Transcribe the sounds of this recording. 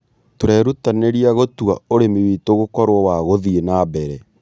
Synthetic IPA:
toɾɛɾutaneɾiaɣotua̰oɾemewiːtoɣokɔɾwɔwaɣoðienabɛɾɛ

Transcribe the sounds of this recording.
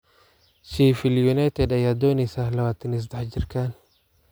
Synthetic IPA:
t͡ʃiːfɪljunajt̪ʰɛd̪ɐjaːd̪ɔːnɪsɐhlɐwaːt̪ʰɪnɪs̬d̪ɐħd͡ʒɪrkʰan

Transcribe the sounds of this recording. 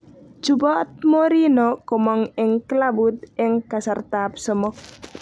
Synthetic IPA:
d͡ʒubɔt̪̚moɾinɔkɔmɔŋɪŋkəlabut̪̚ɪŋkasart̪apsɔmɔk̚

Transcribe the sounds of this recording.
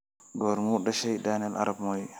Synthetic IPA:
dɔɾmuɗaʃɛjɗaːnɛla̰ɾabmɔj

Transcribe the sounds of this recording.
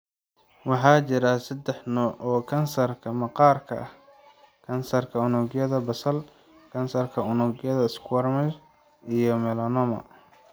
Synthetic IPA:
wɑħɑːt͡ʃɪɾasɐd̪ɛħnɔʔɔːkʰɐnsɐrkʰɐmɐqɑːrkʰɐ̰ʔɐh | kʰɐnsɐrkʰɐʊnʊɡjɐðɐbɐsɐl | kʰɐnsɐrkʰɐʊnʊɡjɐðɐɪskʰʊwɐrmɛt͡ʃ | ʔijɔmɛlɐnɔmɐ̰

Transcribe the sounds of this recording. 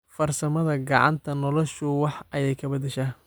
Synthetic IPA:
fɐrsɐmɐðɐɡɑʕɑ̰nt̪ʰɐnɔlɔʃʊwɑħʔɐjɛjkʰɐbɐd̪ɛʃaː

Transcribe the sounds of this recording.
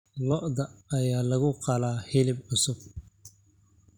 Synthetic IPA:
lɔʔd̪ɐːjaːlɐɣʊqɑlaːhɪlɪbʊsʊb̚

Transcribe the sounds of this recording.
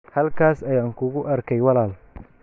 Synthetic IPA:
hɐlkʰaːsɐjaːŋkʰʊɣʊʔɐrkʰɛjwɑlaːl

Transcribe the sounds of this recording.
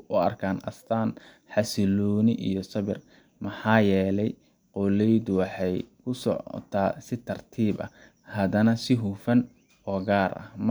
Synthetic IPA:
ʔʊɐ̰rkʰaːnɐst̪ʰaːn | ħɑsɪlɔːnɪʔḭjɔsɐβɪr | mɐħɑːjɛːlɛj | qɔlɛjd̪ʊwɑħɑjkʰʊsɔ̰ʕ̰t̪ʰaːsɪt̪ʰɐrt̪ʰiːbɐ̰ | hɐd̪ɐnɐsɪɦuːfɐn | ɔːɡaːɾʔɐ̰hm

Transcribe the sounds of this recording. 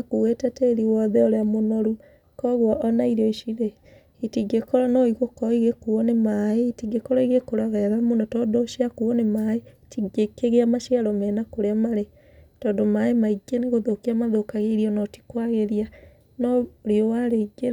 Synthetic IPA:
akuɣwetɛteːɾiwɔðɛoɾeamonɔɾu | kɔɣwɔʔɔnaiɾɔiʃiɾe | itiɡekɔɾɔnɔiɣokɔiɣekuɔnemaeitiɡekɔɾɔiɣekoɾaɣɛɾamonɔtɔːndoʃiakuɔnemae | tiɡekeɣeamaʃiaɾomɛːnakoɾeamaɾe | tɔndomaemaiɡeneɣoðokeamaðokaɣeɾiɔnɔti̥kwaɣeɾia | nɔɾiowaɾeiɡe

